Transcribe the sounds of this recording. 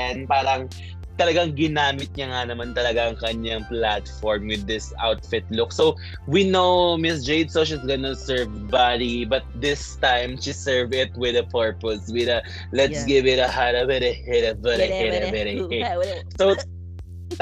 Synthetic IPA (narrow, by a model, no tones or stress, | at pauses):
npaːɾɐŋ | t̪ɐlɐɡaŋɡɪnaːmɪt̪̚ɲɐŋanɐmant̪ɐlɐɡaɐŋkɐɲːaŋplat̪fɔɹmwɪd̪ːɪsa̰wt̪fɪt̪lʊk̚sow | winowmɪsd͡ʒejbsoʃisɡɐnɐsɛɹv | badibɐt̪̚d̪ɪst̪ãjmʃisɛɹvɪt̪̚wɪðɐpʰɔɹposwɪðɐ | lɛt̪sɡɪvɪt̪ɐhaɾɐwɛɾɛhɛɾɛvɛɾɛhɛɾɛvɛɾe | so